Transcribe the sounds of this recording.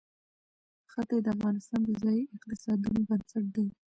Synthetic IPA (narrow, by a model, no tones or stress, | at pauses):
xat̪ed̪əafɣɑnɪst̪ɑnd̪əzɑjiɪqt̪ɪsɑd̪unobənsaʈ̚d̪a